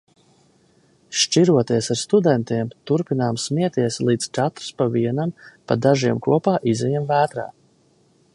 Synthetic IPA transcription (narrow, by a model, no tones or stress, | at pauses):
ʃt͡ʃiɾuɔt̪iɛsaɾst̪ud̪ɛnt̪iɛmt̪uɾpinaːmsmiɛt̪iɛslˠiːd̪t͡ʃat̪ɾspaviɛnampad̪aʒiɛmkuɔpaːʔizɛjɛmvæːt̪ɾa̰ː